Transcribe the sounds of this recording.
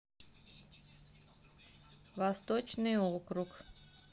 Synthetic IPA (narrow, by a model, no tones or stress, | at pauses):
ʋast̪ot͡ʃniokɾuk